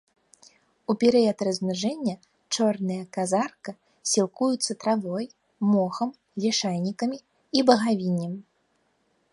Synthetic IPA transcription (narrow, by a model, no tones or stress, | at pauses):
upʲɛɾɨjɐt̪ɾɐzʲmɨʐɛnʲːɐ | t͡ʂɔrnɨjɐkazarkɐ | sʲilˠkujut̪sːɐt̪ɾavɔjː | ɔxɐm | lʲɛʂajnʲikɐmʲi | ibɐɣavʲinʲːɐm